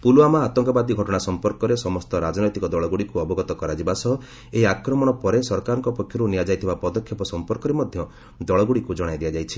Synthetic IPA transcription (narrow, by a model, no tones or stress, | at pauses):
puluamaːt̪ɔŋkɔbad̪iɡʱɔʈɔɽ̃asɔmpɔɾkɔɾesɔmɔst̪ɔɾad͡ʒɔnɔjt̪ikɔd̪ɔɭɔɡuɽikuɔbɔɡɔt̪ɔkɔɾad͡ʒibasɔ | eiakɾɔmɔɽ̃ɔpɔɾesɔɾkaɾɔŋkɔpɔkʰjɔɾunijad͡ʒajt̪ʰibapɔd̪ɔkʰjɔpɔsɔmpɔɾkɔɾemɔd̪ʱjɔ | d̪ɔɭɔɡuɽikud͡ʒɔɽ̃ajd̪ijad͡ʒajt͡ʃʰi̥